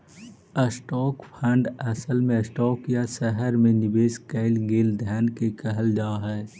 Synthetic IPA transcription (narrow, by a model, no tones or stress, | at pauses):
əsʈɔːkpʰɛ̃ːɳɖɛsəlmẽəsʈɔːkjasɛɦəɾmẽnɪbeːskɛɪlɡeːld̪ʱɛːnkekəɦəld͡ʒaːɦɛː